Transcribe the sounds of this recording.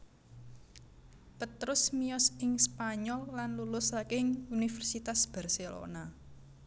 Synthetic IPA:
pət̪ɾʊsmiɔsɪŋspaɲɔlːanlulʊsakɪŋunifɛrsit̪asb̥ɛ̤rselo̰na

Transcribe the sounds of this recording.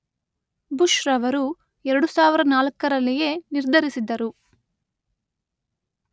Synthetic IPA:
buʃɾɐʋɐɾu | ɛɾɐɽusaːʋiɾɐɐnaːlɐkːɐɾɐlːije̞niɾd̪ʱɐɾisid̪ːɐɾu

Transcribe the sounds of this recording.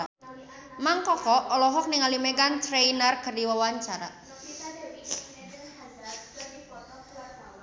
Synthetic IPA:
maŋkɔkɔʔɔlɔɦɔk̚nɪŋalimeɡant̪ɾeinərkərdiwawaɲt͡ʃaɾa̰

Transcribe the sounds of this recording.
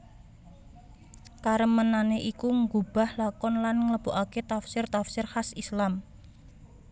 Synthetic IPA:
kaɾəmənaneʔikuŋɡub̥a̤hlakɔnlanŋələb̥oʔaket̪afsɪrt̪afsɪrhasislam

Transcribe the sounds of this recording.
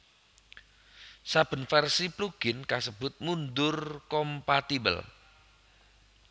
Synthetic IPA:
sab̥ə̤nfɛrsipluɡ̥ɪnkasəb̥ʊt̪̚mund̪ʊrkɔmpat̪ibə̰l

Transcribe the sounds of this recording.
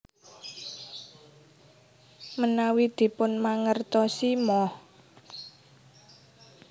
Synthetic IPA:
mənawid̪̥i̤pʊnmaŋərt̪ɔsimɔh

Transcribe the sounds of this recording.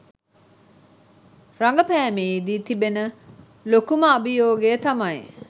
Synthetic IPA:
ɾaŋɡəpæːmeid̪it̪ibenə | lokuməɐbijoːɡet̪ɐmɐj

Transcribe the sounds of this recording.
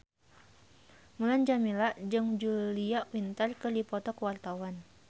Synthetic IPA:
muland͡ʒamilaʔd͡ʒɨŋd͡ʒuliaʔwint̪ərkədipɔt̪ɔkəwart̪awan

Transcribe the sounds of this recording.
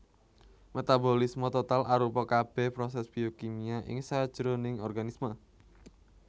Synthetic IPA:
met̪abolismɔt̪ot̪alaɾupɔkab̥ɛhpɾɔsɛsb̥iokimiaʔɪ̰ŋsad̥ʒ̥ɾonɪŋɔrɡanismə

